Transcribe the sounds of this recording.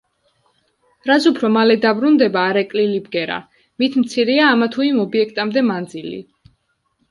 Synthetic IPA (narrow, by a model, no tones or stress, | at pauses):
ɾazupʰɾɔmalɛd̪abɾund̪ɛbaːɾɛkʼlilibɡɛɾa̰ | mit̪ʰmt̪sʰiɾiaːmat̪ʰuimɔbiɛkʰt̪ʼamd̪ɛmand̪zilḭ